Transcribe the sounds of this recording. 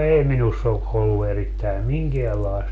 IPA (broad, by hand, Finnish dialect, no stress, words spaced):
ei minusː o ʔolːu eritːæi miŋkeælɑest